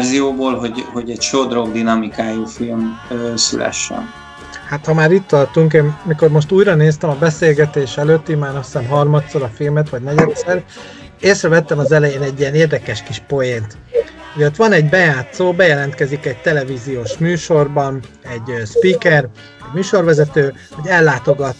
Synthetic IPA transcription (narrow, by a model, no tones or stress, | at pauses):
zijoːboːlɦoɟho̞ɟɛcʃod̪roɡd̪inɒmikaːjuːfilmøːsy̰lɛ̰ʃːɛ̰n | hat̪hɒmaːɾit̪ːɒrt̪uŋkeːnmiko̞rmo̞ʃt̪uːjɾɒneːst̪ɛmɒbɛseːlɡɛt̪eːʃɛløːt̪ːimaːnɒsɛmɦɒrmɒt̪soɾɒfilmɛt̪ʋɒɟnɛɟɛt̪sɛr | eːsrɛvɛt̪ːɛmɒzɛlɛjeːnɛɟːijɛneːrd̪ɛkɛʃkiʃpo̞jent̪ | ujøt̪ʋɒnɛɟbɛjaːt̪soːbɛjɛlɛnt̪kɛzikɛɟ̚t̪ɛlɛvizijoːʃmyːʃo̞rbɒnɛɟøspiːkɛr | ɛɟmyːʃo̞rʋɛzɛt̪øː | ɒɟɛlːaːt̪o̞ɡɒt̪